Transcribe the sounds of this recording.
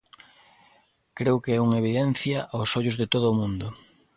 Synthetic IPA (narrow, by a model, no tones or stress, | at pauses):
kɾewkeɛuŋeβ̞iðɛn̟θjɐʔawsoʎʊzðɪt̪oðʊːmũnd̪ʊ